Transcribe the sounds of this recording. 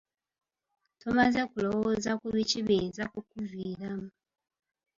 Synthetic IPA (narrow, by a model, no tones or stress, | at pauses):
tomazekulo̞wozakuβiciβeːzakukuvwiːɾamu